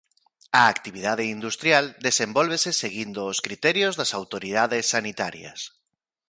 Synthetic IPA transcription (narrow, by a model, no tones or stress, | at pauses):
ɐːkt̪iβiðaðeind̪ust̪ɾjald̪esembolβ̞eseseɣind̪oːskɾit̪ɛɾjozðɐsawt̪oɾiðaðesːanit̪aɾjɐ̰s